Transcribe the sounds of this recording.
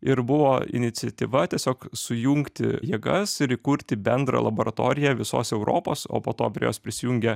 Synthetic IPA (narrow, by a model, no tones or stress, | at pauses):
ɪɾbʊʋoːɪ̰nʲɪt̪sʲɪɛt̪ʲiʋɐt̪ʲiɛsʲoːksʊjuŋkt̪ʲɪ̰jeːɡɐsɪɾɪkʊɾʲt̪ʲɪbʲɛnd̪ɾɐ̰lˠɐboːɾɐt̪oːɾʲɪjɛʋʲɪso̰ːsɛʊɾʔo̰ːpoːso̰ːpoːt̪o̰ːpʲɾʲɛjoːspʲɾʲɪsʲɪjuːŋʲɡʲɛ